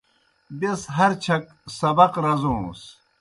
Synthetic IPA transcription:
besɦɐɾt͡ɕʰɐk | sɐbɐqɾɐzõːs

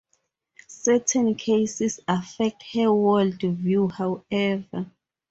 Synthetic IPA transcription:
sɛtʰɛ̃nkʰesisafɛk̚thɛwɛldvjuhawɛva

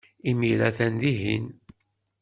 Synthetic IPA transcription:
imilæθænðiɦḭn

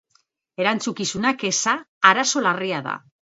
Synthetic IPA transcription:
e̞ɾant͡sukisunake̞saːɾaso̞lariaða̰

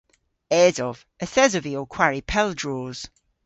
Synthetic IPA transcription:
ɛːzɔv̥ | əθɛzəviɔkʰw̥aɹipʰɛlˠdɹoːz̥

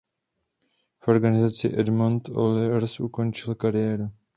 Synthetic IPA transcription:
fo̞ɾɡanɪzat͡sɪ̰ʔɛdmont̪o̰lɪvɛɾsʔuko̞nt͡ʃɪlkaɾɪjɛːɾu

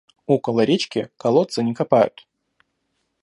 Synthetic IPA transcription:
okəlˠəɾʲet͡ɕkʲɪkɐlˠot̪sənʲɪkɐpajʊ̰t̪

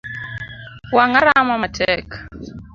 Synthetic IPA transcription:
waŋaɾamamatʰɛk

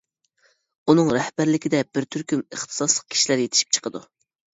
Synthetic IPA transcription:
unɨŋɾɛhbæɾlɪkʲɪd̪ɛb̥ɪɾt̪ʰyɾkʲymɨχt̪ʰɨ̥sɑslˠəq̚kʰʲi̥ʃilæɾjet̪ʰɪ̥ʃi̥p̚t͡ʃʰə̥qʰəd̪ṵ

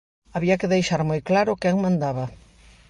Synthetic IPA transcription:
aβiɐkɪðejʃaɾmojklaɾʊkɛŋmãnd̪aβɐ

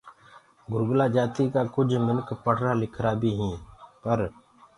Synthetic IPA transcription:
ɡʊɾɡʊlaːd͡ʒaːt̪iːkaːkʊd͡ʒʱmɪnkʰpəɽ̤ɾaːlɪkʰɾaːbʱiːɦĩːpəɾ

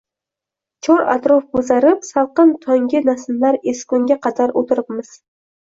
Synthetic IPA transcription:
t͡ʃʰɒɾa̰t̪ɾɔfbozaɾɪpsalˠqɨnt̪ʰɒŋɡʲɪnasɪlːaɾeskʊŋɡʲaqʰɑd̪aɾʔot̪ʰɪɾɪpmɪz̥

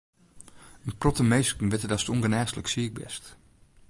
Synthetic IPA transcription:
ənprɔtəmejskən̩ʋɪtədɑstɔŋɡənɛːstələksiɪɡ̚bɛ̰st

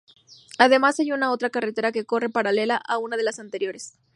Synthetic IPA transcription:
aðe̞masajunao̞t̪ɾakaret̪e̞ɾake̞ko̞re̞paɾale̞laʔaunað̞e̞lasant̪e̞ɾjo̞ɾes

